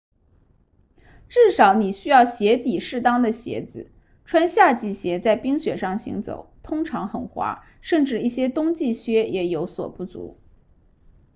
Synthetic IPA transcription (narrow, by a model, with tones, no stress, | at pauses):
ʈ͡ʂɻ̩˥˩ʂɑ˧˥ʊni˨˩ɕy˥jɑ˥˩ʊɕjɛ˧˥t̪i˨˩ʂɻ̩˥˩t̪ɑ˥ŋd̪ə˨ɕjɛ̰˧˥d͡zɹ̩˧ | ʈ͡ʂʰwa˥nɕja˥˧t͡ɕi˥˩ɕjɛ˧˥t͡sa˥˩ɪpi˥ŋɕɥɛ˨˩ʂɑ˥˩ŋɕḭ˧˥ŋt͡so̰˨˩˦ʊt̪ʰʊ˥ŋʈ͡ʂʰɑ˧˥ŋxə˨˩nxwa̰˧˥ | ʂə˥˧nʈ͡ʂɻ̩˥˧i˥˩ɕjɛ˥t̪ʊ˥ŋt͡ɕi˥˩ɕɥɛ˥jɛ˨˩jo˧˥ʊswɔ̰˨˩pu˥˩t͡sṵ˧˥